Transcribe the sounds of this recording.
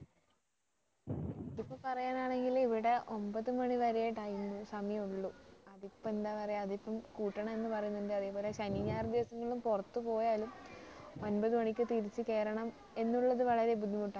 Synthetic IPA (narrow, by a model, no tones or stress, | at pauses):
iðipːɐmpɐrɐjaːnaːɳe̞ŋɡiliʋiɽe̞ʔo̞mbɐðɨmɐɳiʋɐɾeeːʈːaːjunːusɐmɐjɐmuɭːuɐðipːɐme̞nd̪aːpɐrɐjɐɐðipːɐmkuːʈːɐɳɐme̞nːɨpɐrɐjunːuɳɖɨɐðeːpoːleɕɐniɲaːrd̪iʋɐsɐŋːɐɭumpurɐt̪ːupo̞ːjaːlumo̞nbɐðɨmɐɳikʲːɨt̪iɾit͡ɕːɨke̞ːɾɐɳɐm | e̞nːuɭːɐðɨʋɐɭɐɾe̞bud̪ʱːimuʈːa